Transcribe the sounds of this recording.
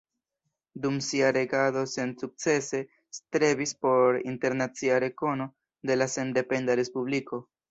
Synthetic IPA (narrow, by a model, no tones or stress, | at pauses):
dumsiaɾe̞ɡado̞se̞nsuk̚t͡se̞se̞ | stɾe̞bispo̞ɾḭnte̞ɾnat͡siaɾe̞ko̞no̞ | de̞lase̞nde̞pe̞ndaɾe̞spubliko̞